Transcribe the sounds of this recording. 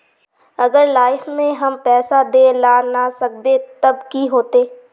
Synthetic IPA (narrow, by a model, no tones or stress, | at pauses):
əɡəɾlaːɪfnẽɦəmpɛːsad̪eːlaːnasək̚d̪et̪əbkiɦoːt̪eː